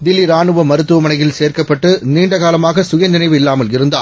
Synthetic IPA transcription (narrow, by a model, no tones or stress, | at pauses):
d̪ɪlːiɾaːɳɯʋɐmɐɾɯt̪ːɯʋɐmɐnɐjɪlseːrkɐpːɐʈːɯniːɳɖɐɣaːlɐmaːɣɐsʊjɐnɪnɐɪʋɯɪlːaːmɐlɪɾɯnd̪aː